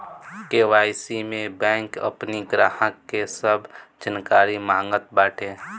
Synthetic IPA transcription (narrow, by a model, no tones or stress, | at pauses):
keːʋaːjsimẽbɛ̃ːŋkə̰pniɡɾaːhə̃kːesəbd͡ʒənkaːɾimãːŋɡət̪̚bɛːʈʰeː